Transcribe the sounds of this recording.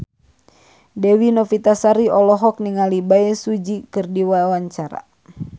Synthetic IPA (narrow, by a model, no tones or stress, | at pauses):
dɛwinɔfit̪asaɾiɔlɔɦɔk̚niŋalibaɛsud͡ʒikɨrdiwawaɲt͡ʃaɾa̰